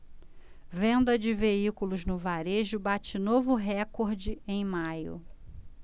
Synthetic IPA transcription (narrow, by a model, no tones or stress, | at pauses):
vẽnd̪ɐd͡ʒɪveikulʊznʊvaɾeʒʊbat͡ʃɪnovʊɦɛkoɾd͡ʒɪẽj̃majʊ̰